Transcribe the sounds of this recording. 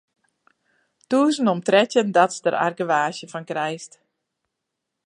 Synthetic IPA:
tuːəznɔmtrɛtjəndɔtsdəra̰rɡəʋaːʃjəfɔnkrɛjst

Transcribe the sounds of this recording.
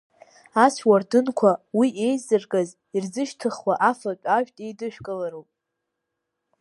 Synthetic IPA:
aswardɨnkʷʰawiʔe̞jzɨrɡʼaz | irzɨʃtʰɨχwaʔafapʲʼaʒᶣtʼejdɨʃᶣkʼɨlaɾowpʼ

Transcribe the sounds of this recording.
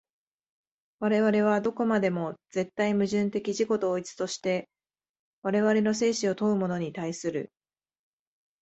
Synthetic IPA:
βaɾe̞βaɾe̞β̞ad̪o̞ko̞mad̪e̞mo̞z̥e̞t̪ːaimɯ̟ʑɨ̃nt̪e̞kʲiʑiko̞t̪oːit͡sɨ̥t̪o̞ɕi̥t̪e̞ | βaɾe̞βaɾe̞no̞s̬e̞ːɕio̞t̪o̞ɯ̟mo̞no̞ɲ̟it̪aisɨɾɯ̟

